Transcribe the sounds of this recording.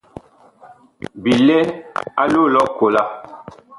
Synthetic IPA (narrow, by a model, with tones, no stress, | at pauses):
bi˨lɛ˦a˦lo˦lɔ˦ko˨la˦